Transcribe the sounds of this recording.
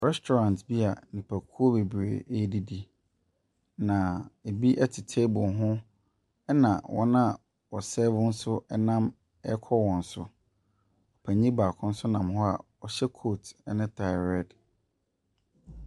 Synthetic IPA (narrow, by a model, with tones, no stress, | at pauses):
ɾɛ˦stʰɔ˨ɾã˨ntbi˦a˨nĩ˨pʰa˨kʰu˦o˦be˨bɾḛ˨ʔe˦di˦di˦ | nã˨e˨bi˦ʔɛ˦tʰɪ˨tʰe˦bʊ˨ɦʊ̃˦ | ɛ˦nã˨wɔ̰˦nã˦ | ɔ˨sɛ˦vʊ̃˦n̩˦sʊ˦ɛ˦nã˦m | ɛ˦kʰɔ˦wɔ̃˨n̩˨sʊ˨ | ɔ˨pʰæ˨ɲĩ˦baː˨kʰʊ̃˦n̩˦sʊ˦nã˨mɦɔ˦a̰˨ | ɔ˨ɕɛ˦kʰo˦tɛ˦nɪ̃˦tʰa˨ɪ˨ɾɛ˦d